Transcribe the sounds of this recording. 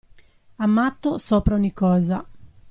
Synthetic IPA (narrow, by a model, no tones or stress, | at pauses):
amːat̪ːosɔːpɾauɲikːɔːza